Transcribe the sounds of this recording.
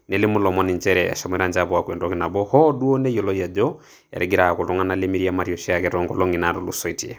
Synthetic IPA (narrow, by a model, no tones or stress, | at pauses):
nɛlɪmʊlɔmɔniɲt͡ʃɛɾɛa̰ʃamwɛɾand͡ʒaβɔwakwɛndɔkinabɔhɔduɔnɛjɔlɔjad͡ʒɔ | ɛ̰ɾɛɡiɾaakotɔŋanalemiɾiamaɾiɔʃiakɛtɔŋɡɔ̰lɔŋinaɾɔlusɔitḭɛ